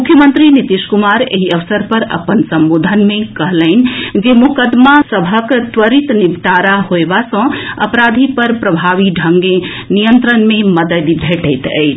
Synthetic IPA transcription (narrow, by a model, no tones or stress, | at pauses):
mukʰjəmənt̪ɾinit̪iskumaɾḛɦiəʋsəɾpəɾə̰pənsəmbod̪ʱənmekəɦləɪn̆d͡ʒemukəd̪masəbʱəkt̪ʋəɾit̪nibʈaɾaɦoebasə̃ə̰pɾad̪ʱipəɾpɾəbʱaʋiɖʱəŋɡe | nijənt̪ɾənmeməd̪əd̪bʱeʈəjt̪ə̰ɪt͡ʃʰ